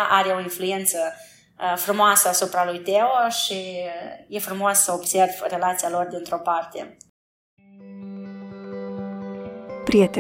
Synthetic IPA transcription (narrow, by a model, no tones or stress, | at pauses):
ʔaɾe̞o̞influe̞nt̪sə | fɾumoasəasupɾalujt̪eoʃije̞fɾumo̞sːəobse̞rvre̞lat̪sialo̞rd̪int̪ɾo̞part̪e̞̰ | pɾijet̪